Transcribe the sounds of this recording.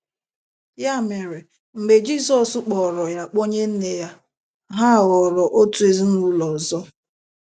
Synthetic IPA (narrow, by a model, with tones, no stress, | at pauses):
ja˦˨me˨ɾe˨ | m̩˨ɡ͡be˨d͡ʒi˦˨sɔ˨sʊ˦k͡pɔ˨ɾɔ˨ja˦k͡po˦ɲe˦n̩˦ne˦ja˦ | ɦa˦˨ɣɔ˨ɾɔ˨ʔo˦tu˨˦e˨zi˦nu˦lɔ˨zɔ˦